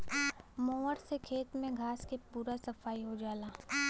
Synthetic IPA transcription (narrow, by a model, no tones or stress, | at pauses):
mɔ̃ːəɾsekʰeːt̪mẽɡʱaːskepuːɾasɐfaːiɦod͡ʒaːlaː